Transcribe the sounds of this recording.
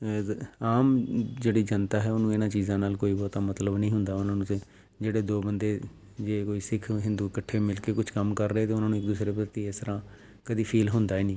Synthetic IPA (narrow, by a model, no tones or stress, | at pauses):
aːmd͡ʒeːɽiːd͡ʒənt̪aːɦɛːoːnũːɪnãːt͡ʃiːzãːnaːlkoːiːbɔːt̪aːmət̪ləbnĩːɦʊnd̪aːʊnãːnũːt̪e | d͡ʒeːɽeːd̪oːbənd̪eː | d͡ʒeːkoːiːsɪkʰɦɪ̃nd̪uːkəʈʰːeːmɪlkeːkʊt͡ʃʰkəmkəɾːɛːt̪eːʊnãːnũːɪk̚d̪uːsɾeːpɾət̪iːest̪əɾãː | kəd̪iːpʰiːlɦʊnd̪aːɛːnĩː